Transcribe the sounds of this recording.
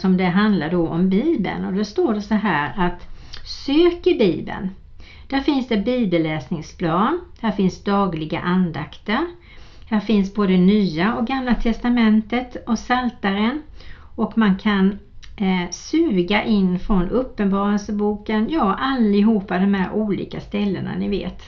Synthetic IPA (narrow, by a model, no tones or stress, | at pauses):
sɔmd̪ɛɦand̪laɖɔɔmbiːbə̰nɔd̪ɛst̪oːɖɛsɔɦæːɾat̪søːkəɾbiːbə̰n | d̪̥æɾfɪnsd̪ɛbiːbəlːɛːsnɪŋspʰlɑːnhæɾfɪnsd̪ɑːɡlɪɡa̰ʔand̪akt̪əɾ | hæɾfɪnsboːd̪ənyːaɔk̚ɡamlat̪ʰɛst̪amɛnt̪ət̪ɔsalt̪aɾən | ɔkmankʰan | sʉ̟ːɡaʔɪnːfɾɔnɵpːənbɑːɾəlsəbuːkənjɑːʔalːɪɦuːpːad̪ɔmhæɾʔuːlḭːkast̪ɛlːəna̰nɪvḛːt̪